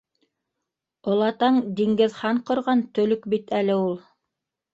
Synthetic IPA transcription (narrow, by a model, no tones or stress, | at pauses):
ŏlˠɑt̪ɑɴd̪iŋɡɘ̆ðχɑɴqŏɾʁɑnt̪ɵ̆lɵkbit̪ælɘulˠ